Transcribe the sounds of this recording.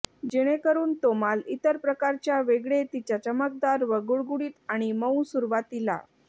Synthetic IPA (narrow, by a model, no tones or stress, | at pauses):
d͡ʑeɽ̃ekəɾuːnt̪omalit̪əɾpɾəkaɾt͡ɕjaʋeɡɭet̪it͡ɕat͡ɕəmək̚d̪aɾʋəɡuɭɡuɽiːt̪aɽ̃iməwsuɾʋat̪ila̰